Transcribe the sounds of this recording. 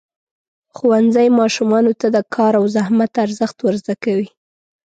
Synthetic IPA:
xuwanzajmɑʃumɑnot̪ad̪əkʰɑɾawzahmat̪aɾzəxt̪wəɾzd̪akawi

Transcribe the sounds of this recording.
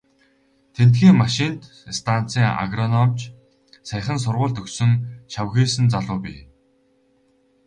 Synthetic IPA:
t̪ʰent̪ɡiːŋmaʃint̪ | st̪ʰan̥t͡siːŋa̰ɣrɔnɔmt͡ɕ | sæχə̆ns̬ʊrʁʊːɮt̪ɵksɵ̆ŋʃawɣeːsɘ̆nt͡saɮʊːpʲḭː

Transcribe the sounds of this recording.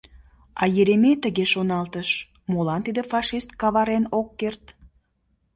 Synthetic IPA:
ɑjeɾemet̪əɣeʃonɑlt̪əʃ | molɑnt̪id̪efɑʃist̪̚kɑβɑɾenokːert̪

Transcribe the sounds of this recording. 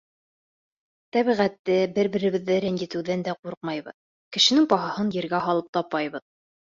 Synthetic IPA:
t̪æβiʁæt̪ːɘbɘɾbɘ̆ɾɘ̆βɘ̆ðːæɾænjɘ̆t̪ɘ̆wðænd̪æquɾq̚mɑjbɤ̰ð | kɘ̆ʃɘ̆nɘŋpɑɦɑhɤnjɘ̆ɾɡæɦɑlˠɤp̚t̪ɑpːɑjβɤð

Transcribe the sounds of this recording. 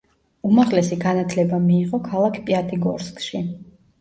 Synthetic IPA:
umaʁlɛsiɡanat̪ʰlɛbamiːʁɔkʰalˠakʰpʼiat̪ʰʼiɡɔ̰ɾskʼʃi

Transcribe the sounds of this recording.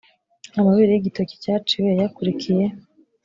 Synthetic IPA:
amaβiɾejiɟitoci̥caːt͡ʃiwejakuɾikʰije̞

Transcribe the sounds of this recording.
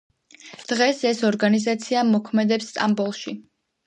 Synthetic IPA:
d̪̥ʁɛsɛsɔɾɡanizat̪sʰiamɔkʰmɛd̪ɛpsːt̪ʼambɔlˠʃi

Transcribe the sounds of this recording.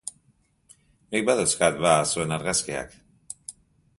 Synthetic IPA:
mik̚baðeskat̪̚βasue̞naɾɣaskea̰k

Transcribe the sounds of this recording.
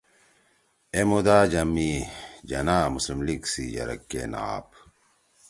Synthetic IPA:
emud̪aːd͡ʑɐmːid͡ʑɐnaːmuslimliksid͡ʑɐ̰ɾɐ̰kːḛna̰ːp

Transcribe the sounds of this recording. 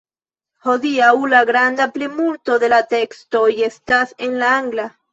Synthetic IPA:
hoðiaulaɣɾand̪aplemuɾt̪oðelat̪ekst̪oiest̪asenlaaŋɡla

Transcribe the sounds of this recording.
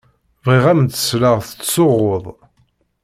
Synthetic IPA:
vʁiʁæmt̪ːə̥sləʁθə̥t͡sːsoʁːoðˤ

